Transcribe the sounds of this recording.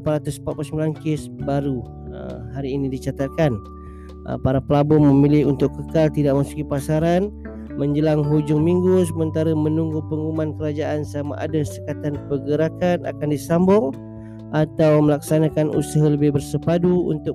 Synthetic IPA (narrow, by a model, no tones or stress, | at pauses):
paɾat̪ʊspat̪̚plsəmilankɪsbaɾu | ə̰ɦaɾiːnidit͡ʃat̪at̪̚kan | ə̰paɾapəlabɔməmilɪɦunt̪ʊkːəkalt̪idaʔ̚masu̥kipasaɾan | məɲd͡ʒəlaŋɦud͡ʒʊŋmiŋɡus̬əmənt̪aɾəmənuŋɡupəŋumankəɾad͡ʒaʔansama̰ʔa̰dasəkat̪anpəɡəɾakana̰kandisambɔŋ | ʔat̪awməlaksanakanṵsaɦaləbɪhbərsəpaduṵnt̪ʊk